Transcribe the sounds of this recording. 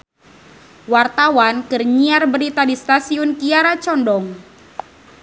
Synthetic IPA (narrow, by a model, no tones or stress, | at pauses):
wart̪awankɨrɲiarbəɾit̪adist̪asiʊnkiaɾat͡ʃɔndɔŋ